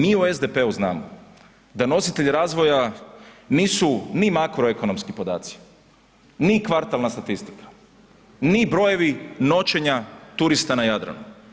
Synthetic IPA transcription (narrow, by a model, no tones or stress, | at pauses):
miːue̞zd̪e̞pe̞uznaːmo̰ | d̪ano̞sit̪e̞ʎiɾaːzʋo̞ja | niːsunimakɾo̞e̞ko̞no̞mskipo̞d̪a̰ːt̪si̥ | nikʋaɾt̪alnast̪at̪ist̪i̥kḁ | nibɾo̞je̞ʋino̞t͡ʃe̞ɲat̪uɾist̪anajad̪ɾa̰nu